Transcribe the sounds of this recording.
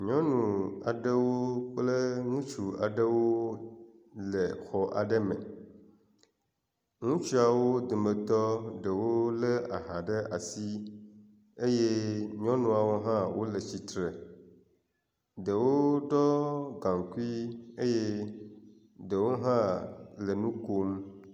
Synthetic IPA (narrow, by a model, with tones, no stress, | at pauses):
ɲɔ̃˦nũ˨a̰˨ɖə˦wo˦k͡plə˦ŋũ˦t͡ʃu˨a̰˨ɖə˦wo˦ | lə˨xɔ˨ʔa̰˨ɖə˦mə̰˨ | ŋũ˦t͡ʃi˦a˨wo˦d̪u˨me˨t̪ɔ˦ɖə˨wo˦lə˦a˨ɦã˨ɖə˦ʔa̰˨si˦ | e˦je˦ɲĩ˦ɔ̃˦nũ˦a˨wo˦ɦã˦wo˦lə˨t͡ɕi˨t̪ɾe˨ | ɖə˨wo˦ɖɔ˦ɡã˨ŋ˨ku˦i˦e˦je˦ | ɖə˨wo˦ɦã˦lə˨nũ˦ko˦m